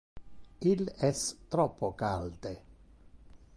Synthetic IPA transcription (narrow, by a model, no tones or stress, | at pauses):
ilɛst̪ɾɔpːokald̪e